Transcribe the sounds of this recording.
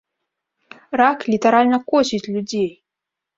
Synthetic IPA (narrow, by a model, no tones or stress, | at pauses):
raklʲit̪ɐɾalʲnɐkɔsʲit͡sʲlʲud͡zʲej